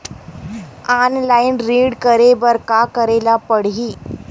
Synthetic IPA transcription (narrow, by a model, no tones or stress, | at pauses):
anlainɾiːɽkəɾeʋəɾkakəɾelapəɽ̤ɦiː